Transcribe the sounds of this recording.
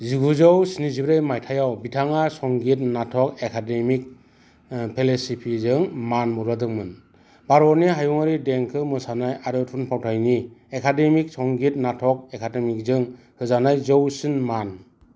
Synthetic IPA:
ziɡuzɔwsinizibɾajmajtʰajawbitʰaŋasɔŋɡit̚natʰɔkekʰademik̚ | pʰelesipʰizɯŋmanmuɾadɯŋmɯn | baɾɔɾniɦajuŋaɾideŋkʰɯmɯsanajaɾɯtʰunpʰawtʰajniekʰademik̚sɔŋɡit̚natʰɔk̚ekʰademik̚zɯŋ | hʰɯzanajzɯwsinman

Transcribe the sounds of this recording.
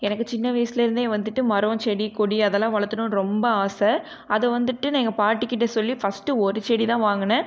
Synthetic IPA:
ɛnɐkːɯt͡ʃɪnːɐʋɐjsɪlɪɾɯnd̪eːʋɐnd̪ɯʈːɯmɐɾõːt͡ʃɛɽikɔɽiɐðɛlːãːʋɐɭɐt̪ːɯnʊ̃nɾɔmbɐaːsɛ | ɐðɛʋɐnd̪ɯʈːɯniːŋɡɐpaːʈːɯkːɪʈːɐsɔlːifɐsʈɯɔɾɯt͡ʃɛɽit̪ãːʋaːŋɡɐnːɐ

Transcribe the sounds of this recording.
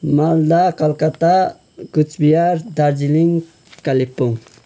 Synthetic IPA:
mald̪akalkat̪a | ɡut͡ʃbijaɾd̪aɾd͡ʒiliŋ | kalipːʊŋ

